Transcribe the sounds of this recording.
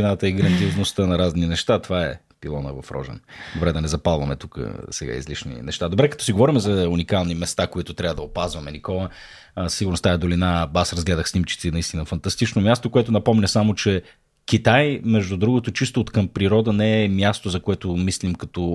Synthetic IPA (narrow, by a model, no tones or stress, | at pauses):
inat̪əiɡɾɐnd̪ʲioznost̪ənɐɾazninɛʃt̪at̪ovaɛ̰ | pilˠɔnə̰vɐfɾɔ̰ʒɛ̰nd̪obɾɛd̪ɐnɛzɐpalˠvɐmɛt̪ukə̰sɛɡa̰ḭzliʃnḭnɛ̰ʃt̪ad̪obɾɛkɐt̪ɔsiɡovɔɾimɛzɐunikalˠnimɛst̪akoit̪ʊt̪ɾʲabəd̪ɐopazvɐmɛnikɔlˠə | ssiɡʊɾnost̪aɛd̪olinabasɾɐzɡlɛd̪əxsnimt͡ʃi̥t̪sinɐist̪inəfɐnt̪ɐst̪it͡ʃnomʲast̪okoɛt̪ʊnɐpɔmnʲɐsamot͡ʃɛ | kʲit̪ajmɛʒd̪ud̪ɾuɡoʊt̪ot͡ʃist̪ot̪kəmpɾiɾɔd̪ənɛːmʲjast̪ozɐkoɛt̪omislimkɐt̪ɔ